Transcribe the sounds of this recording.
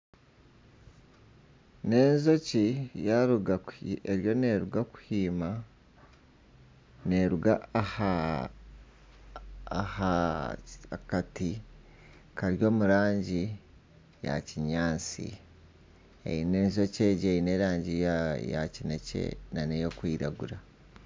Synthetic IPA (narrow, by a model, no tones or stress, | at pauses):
ne̞ːnzo̞cijaɾuɡaeɾjo̞neɾuɡaku̥hiːma | ne̞ɾuɡaha | ha | kati | kaɾjo̞ːmuɾaːɲɟi | ja̰ciɲaːnt͡sḭ | ḛineːnzo̞ceːɟeine̞ɾaːɲɟija̰cine̞cḛnanejo̞kwiːɾaɡuɾa